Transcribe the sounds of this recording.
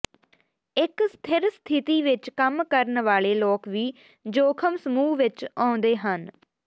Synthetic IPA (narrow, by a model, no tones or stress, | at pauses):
ɪkst̪ʰɪɾst̪ʰɪt̪iːʋɪt͡ʃkəmkəɾnʋaːɭeːlɔːkʋiː | d͡ʒoːkʰəmsəmuːʋɪt͡ʃãːnd̪eːɦən